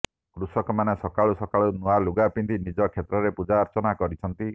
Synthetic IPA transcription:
kɾusɔkɔmanesɔkaɭusɔkaɭunualuɡapind̪inid͡ʒɔkʰet̪ɾɔɾepud͡ʒaːɾt͡ʃɔnakɔɾit͡ʃʰɔnt̪i

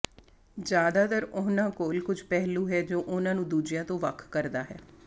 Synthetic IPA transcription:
d͡ʒjaːd̪aːt̪əɾʊnãːkoːlkʊd͡ʒpɛɦluːɦɛːd͡ʒoːʔʊnãːnũːd̪uːd͡ʒɪjãːt̪õːʋəkʰkəɾd̪aːɦɛ̰ː

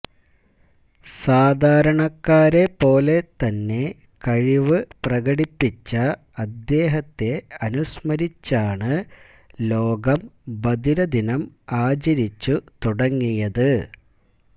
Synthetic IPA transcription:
saːd̪ʱaːɾɐɳɐkːaːɾe̞pːo̞ːle̞t̪ɐnːe̞ | kɐɻiʋɨprɐɣɐɽipːit͡ɕːɐ | ɐd̪ːe̞ːɦɐt̪ːe̞ɐnusmɐɾit͡ɕːaːɳɨ | lo̞ːɡɐmbɐd̪iɾɐd̪inɐmaːt͡ɕɐɾit͡ɕːut̪uɽɐŋːijɐðɨ

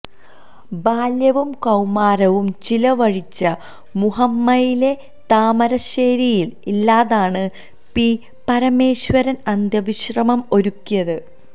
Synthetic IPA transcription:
baːljɐʋumkɐwmaːɾɐʋumt͡ɕilɐʋɐɻit͡ɕːɐ | muɦɐmːɐjile̞ | t̪aːmɐɾɐɕeːɾijililːaːðaːɳɨ | pi | pɐɾɐme̞ːɕwɐɾɐnɐnd̪jɐʋiɕrɐmɐmo̞ɾukːijɐðɨ

